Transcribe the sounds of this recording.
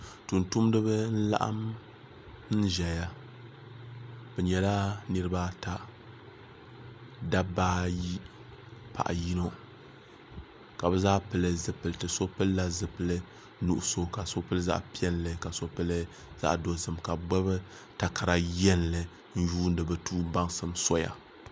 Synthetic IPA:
tu˨ntu˦mdɨ˦bɨ˦n̩˦la̰˦ʔa̰˦m | n̩˦ʒɛ˨ja˦ | bɛ˨ɲɛ˨la˦nɨ˦ɾɨ˦ba˦ta˦ | da˦baː˦ji˦ | pa̰˨ʔa̰˨ji˦no˦ | ka˨bɛ˦zaː˦pɨ˨lɨ˦zɨ˨pɨ˨ltɨ˨so˦pɨ˦lla˦zɨ˨pɨ˨lɨ˦ | nu˦ʔʊ˦so˦ka˨so˦pɨ˦lɨ˦za̰˦ʔpi˦ɛ˦nlɨ˨ka˨so˦pɨ˦lɨ˦ | za̰˦ʔdo˨zɨ˨mka˨ɡ͡bɛ˦bɨ˦ | ta˨ka˨ɾa˨jɛ˦nlɨ˨ | n̩˦juː˦n̩˦dɨ˨bɨ˨tuː˦ba˦ŋsɨ˦mso˦ja̰˨

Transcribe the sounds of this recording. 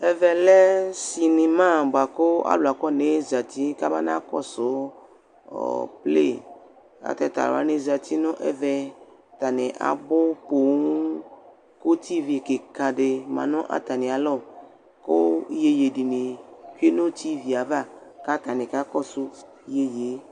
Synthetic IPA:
ɛ˦vɛ˨lɛ˦si˨mĩ˨mã˦˨ba˨ko˦a̰˦lo˨a˨kɔ˦nẽ˨za˨t̪i˦ka˦ba˦nã˦kɔ̰˦so˨˦˨ | ple˦˨ | a̰˨t̪ɛ˦t̪a̰˨l̰a̰˦nẽ˨za˨t̪i˦nɔ̃˦ʔɛ̰˦vɛ˨t̪a˨nẽ˨ʔa̰˨bo˦po˨ŋũ˦ | ko˦t̪i˦vi˨ke˨ka˨ɖe˨mã̰˨nɔ̃˦ʔa̰˨t̪a˨nẽ˨a˨lɔ˦˨ | ko˦je˨je˨ɖi˨nẽ˨ku˦e˦nõ˦t̪i˦vi˨a˨va˦ka˦t̪a˨nẽ˨ka˦kɔ˦su˦ | je˨je˨˦

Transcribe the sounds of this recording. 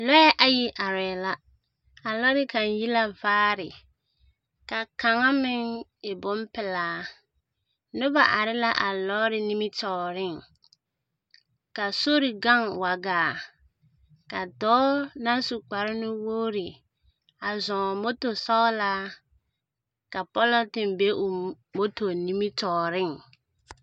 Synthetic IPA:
lɔ˦ɛ˦ʔa˨ji˦ʔa˨ɾɛː˨la˦ | a˨lɔ˦ɾɪ˦ka˨nji˦la˦vaː˦ɾɪ˨ | ka˨ka˨ŋa˦mɪ˦ŋɪ˨bʊ˦m˦pɪ˨laː˨˦ | nʊ˦ba˨ʔa˨ɾɪ˦la˦ʔa˨lɔ˦ɾɪ˦ni˦mi˦tɔː˦˨ɾɪ˦˨ŋ | ka˨so˦ɾɪ˨ɡa˦ŋwa˨ɡaː˨ | ka˨dɔː˦na˦su˨k͡pa˨ɾɪ˦nʊ˦woː˦ɾɪ˨ | a˨zɔ̃˨mo˦to˨sɔ˦la˦ | ka˨pɔ˦lɔ˦tɪ˨mbe˦ʔʊ˨ | mo˦to˨ni˦mi˦tɔː˨ɾɪ˦˨ŋ

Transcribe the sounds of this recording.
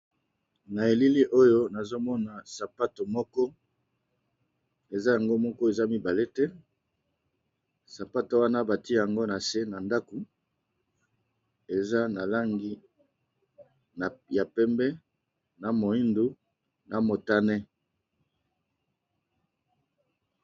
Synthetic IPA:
na˨e˨li˦li˦ʔo˦jo˦na˨zo˦mɔ˦na˨sa˨pa˦to˨mɔ˦kɔ˦ | e˨za˦ja˨ŋɡo˦mɔ˦kɔ˦e˨za˦mi˦ba˨le˦tɛ˦ | sa˨pa˦to˨wa˦na˦ba˨ti˦˨ja˨ŋɡo˦na˨se˦na˨nda˦ko˨ | e˨za˦na˨la˦ŋɡi˦ | na˨ja˨pɛ˦mbɛ˦ | na˨mo˨i˦ndu˦ | na˨mo˨ta˦nɛ˦

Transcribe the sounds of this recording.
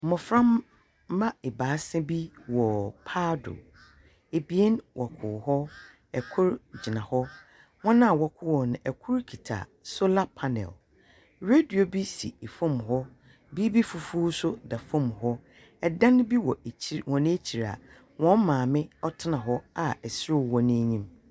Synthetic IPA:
m̩˨mɔ̃˨fɾã˦mː | ã˦ɪ˨baː˨˦sɛ̃˦bi˦wɔ˨pʰa˦dʊ̰˨ | e˨bi˨e˦nwʔɔ˨kʰʊ˨ɦɔ˦ | ɛ˨kʰʊ˦ɾd͡ʑi˨nã˨hɔ˦ | wɔ̃˦nã˦a˨wɔ˨kʰʊ˦wɔ˨nʊ̃˨ʔɛ˨kʰʊ˦ɾkʰi˨tʰa̰˨so˦la˦pʰa˦nɛ̰˨l | ɾe˦di˨o˨bi˦sḭ˨e˨fɔ̃˦˨mɦɔ˦ | bi˦bi˦fu˨fu˦sʊ˦da˨fɔ̃˦˨mɦɔ˦ | ɛ˨dã˦n˦bi˦wɔ˨wɔ̃˨ñ˦e˦t͡ɕʰi˨ɾa̰˨ | wɔ̃˨˦n˦mãː˨mɪ̃˦ɔ˦tʰɪ˦nã˨ɦɔ˦a˨ɛ˨sɪ˦ɾʊ˦˨wɔ˦nɪ̃˦e˦ɲĩ˦m

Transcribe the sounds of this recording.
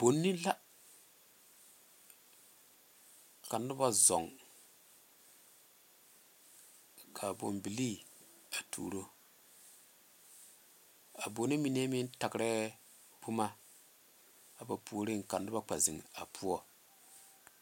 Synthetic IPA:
b̥o˨˦nːi˦la˦ | ka˨ndu˦ba˦zɔ˨ŋ | kʰa˨bo̰˨mbi˨li˦ | a˨tʰṵ˨ɾo˦ | a˨bo˨ni˦mi˨ne˦mi˦n˦ta˨kɾɛ˦ | bu˦ma˦ | a˨ba˨pu˨o˦ɾe˦˨ŋ˨ka˨ndu˦ba˦k͡pa˨zḭ˨ŋa̰˨pʰu˦ɔ˦

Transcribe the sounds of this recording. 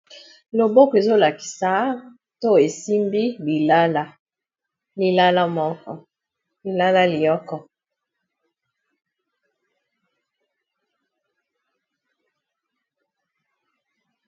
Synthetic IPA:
lo˨bɔ˦kɔ˨e˨zo˦la˨ki̥˨sa˨˦ | to˦e˨si˦mbi˦bi˨la˦la˦ | li˨la˦la˦mɔ˦kɔ̰˨ | li˨la˦la˦li˨jɔ˦kɔ˦

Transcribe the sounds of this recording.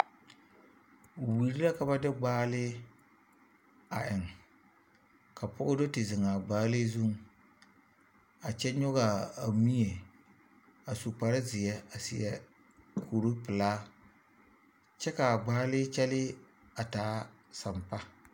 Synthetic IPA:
wi˨ɾi˦la˦ka˨ba˦dɪ˦ɡ͡baː˦lɪ˦ | a˨ʔɪ˨ŋ | ka˨pʊ˦ʔʊ˦do˦tɨ˨zɪ˨ŋa˨ɡ͡baː˦lɪ˦zu˦ŋ˨ | a˨t͡ʃɛ˦ɲʊ˦ɣa˨a˨mi˦je˨ | a˨su˨k͡pa˨ɾɪ˦zɪ˨jɛ˦a˨sɪ̰˨jɛ˦ | kʰu˨ɾu˦pɨ˨laː˦ | t͡ʃɛ˦ka˨ɡ͡baː˦lɪ˦t͡ʃɛ˦lɪ˦ | a˨taː˨˦ | sa˨mpa˦

